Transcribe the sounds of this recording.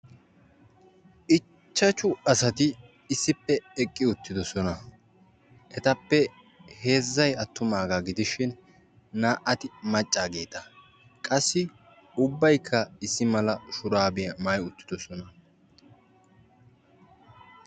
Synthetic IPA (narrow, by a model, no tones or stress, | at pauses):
ʔɪ | t͡ʃːɐt͡ʃʊɐsɐt̪ɪː | sːɪpːɛɛkʼːɪʊt̪ːɪd̪ɔsɔnɐ | ʔɛt̪ɐpːɛ | he̞ːzːɐjɐt̪ːʊmaːɡaɡɪd̪ɪʃɪnː | aːʔʔɐt̪ɪmɐt͡ʃʼːaːɡe̞ːt̪ɐ | kʼɐsːɪ | ʊbːɐjkʰːɐɪsːɪmɐlɐʃʊɾaːbɪjɐmɐjʊt̪ːɪ̥d̪ɔsɔnɐ